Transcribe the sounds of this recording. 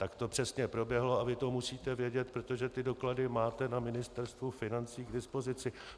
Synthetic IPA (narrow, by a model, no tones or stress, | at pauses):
t̪akt̪o̞pr̝̥ɛsɲɛpɾo̞bjɛɦlo̞avɪt̪o̞musiːt̪ɛvjɛɟɛt̪̚pɾo̞t̪o̞ʒɛt̪ɪdo̞kladɪmaːt̪ɛnamɪnɪst̪ɛɾst̪vufɪnant͡siːɡdɪspo̞zɪt͡sɪ